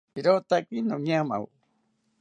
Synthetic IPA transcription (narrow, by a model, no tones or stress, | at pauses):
iɾot̪akinoɲama̰w